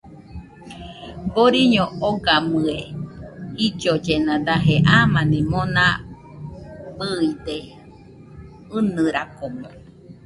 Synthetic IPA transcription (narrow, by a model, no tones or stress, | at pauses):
boɾiɲõoɡamɨehid͡ʒod͡ʒenãd̪aɦeʔamãnĩmõnã̰ | bɨid̪e | ɨnɨɾakomõ